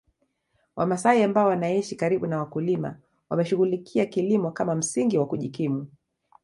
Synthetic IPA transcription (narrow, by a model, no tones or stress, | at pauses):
wʔamasaiambaɔwanaiʃikaɾiɓunawakulima̰ | wamɛʃuɣulikʰiakilimɔkamam̩siŋɡiwakuʄikimu